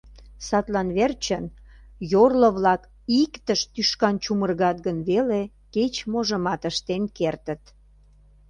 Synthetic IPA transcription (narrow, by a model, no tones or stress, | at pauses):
sɑt̪lɑnβert͡ɕən | jorləβlɑk | ikt̪əʃt̪yʃkɑnt͡ɕumərɣɑt̪ɣənβele | ket͡ɕmoʒəmɑt̪əʃt̪enkert̪ət̪